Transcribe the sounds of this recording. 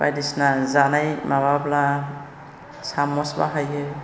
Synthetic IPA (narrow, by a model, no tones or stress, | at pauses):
ba̰jdisnazanajmaβabla | samɔsba̰ɦaje